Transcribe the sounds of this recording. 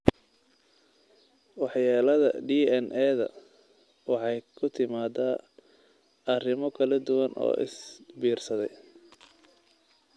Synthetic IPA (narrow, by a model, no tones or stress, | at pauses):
wɑħjaːlɐðɐ̰ɖiːɛnʔɛːðɐ̰ | wɑħɑjkʰʊt̪ʰɪmaːd̪aː | ɐrɪmɔkʰɐlɐd̪ʊwɐnʔɔ̰ːʔɪ̰sbiːrsɐðɛj